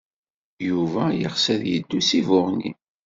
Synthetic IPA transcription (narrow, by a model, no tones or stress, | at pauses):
juvæjə̰χsæðjəd̪ːusivʊʁnḭ